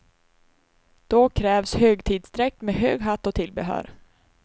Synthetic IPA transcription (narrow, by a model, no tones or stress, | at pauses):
d̪̥ɔkʰɾɛːvshøːɡt̪ʰiːd̪sd̪ɾɛk̚t̪meːɦøːɡɦat̪ːɔt̪ʰɪlbɛɦœ̰ːɾ